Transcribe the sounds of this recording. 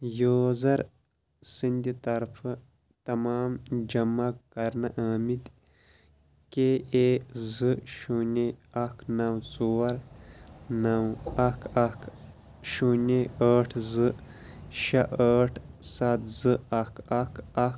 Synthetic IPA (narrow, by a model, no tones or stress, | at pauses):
joːzɐɾ | sind̪it̪ɐɾfʰɨ | t̪ɐmaːmd͡ʒɐmːɐkɐɾnɐʔaːmid̪ | keezɨʃuneɐkʰnɐwt͡soːɐɾ | nɐwɐkʰak | ʃuneəʈʰzɨ | ʃɐʔəːʈʰsat̪zɨɐkɐkɐ